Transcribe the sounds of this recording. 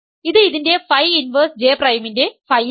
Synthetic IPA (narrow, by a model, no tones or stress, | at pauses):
iðɨiðinde̞fɐjinʋɐːsd͡ʑe̞ːprɐjminde̞fɐ